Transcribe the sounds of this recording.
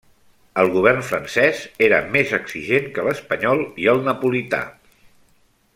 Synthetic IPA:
əlˠɣuβ̞ɛrnfɾənsɛzeɾəmezəksiʒeŋkələspəɲɔlˠiəlˠnəpulit̪a̰

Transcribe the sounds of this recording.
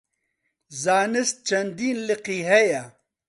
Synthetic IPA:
zaːnɪs̚t͡ʃɐnd̪iːnliqiɦeja

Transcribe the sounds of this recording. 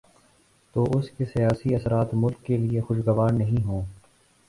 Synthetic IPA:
t̪oːʔʊskesijaːsiɐsɾaːt̪mʊlkːeliexʊʃɡɐʋaːɾnɐɦĩɦõː

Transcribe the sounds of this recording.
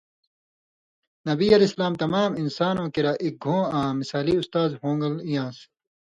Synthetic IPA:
nɐbiɐleːsɐlaːmt̪ɐmaːminsaːnõːkiɾaʔik̚ɡʱõːãːmisaːliust̪aːzɦõːŋɡɐlijãːs

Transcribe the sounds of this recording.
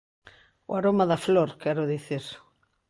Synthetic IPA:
ʊ̰aɾomɐðɐfloɾkɛɾʊðiθiɾ

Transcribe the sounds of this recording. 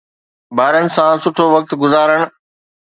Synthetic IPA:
baːɾənɪ̆sãsʊʈʰoʋɐk̚t̪ɡʊzaːɾəɽ̃

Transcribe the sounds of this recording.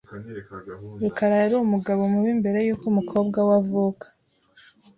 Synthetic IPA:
ɾukaɾaeɾumuɡaβo̞muβimbe̞ɾe̞juːkumukʰo̞ːbɡawavukʰḁ

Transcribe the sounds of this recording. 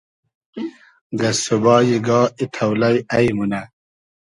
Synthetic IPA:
ɡɐsubɑːjiɡɑːit̪ʰɐwlɐjɐjmunɐ

